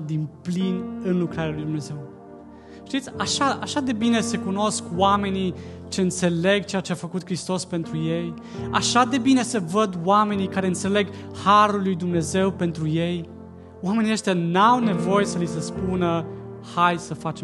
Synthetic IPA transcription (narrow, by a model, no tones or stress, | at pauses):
d̪inplinɨnlukɾaɾealujd̪umne̞ze̞w | ʃt̪it̪sʲaʃaaʃad̪e̞bine̞səkuno̞skwame̞nit͡ʃe̞ɨnt̪se̞le̞ɡ̚t͡ʃejat͡ʃeafəkut̪kɾist̪o̞spe̞nt̪ɾuje̞j | aʃad̪e̞bine̞səvəd̪wame̞nikaɾeɨnt̪se̞le̞ɡ | haɾulːujd̪umne̞ze̞wpe̞nt̪ɾuje̞j | wame̞nieʃt̪ʲanawne̞vo̞je̞səlisəspunə | hajsəfat͡ʃe